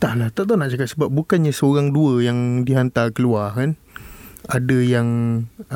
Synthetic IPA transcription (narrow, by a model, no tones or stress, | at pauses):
t̪ahlaht̪aʔt̪anaʔt͡ʃakat̪̚səbap̚bukanɲasəoɾaŋduəjaŋdiɦant̪akəluakan | adəjaŋ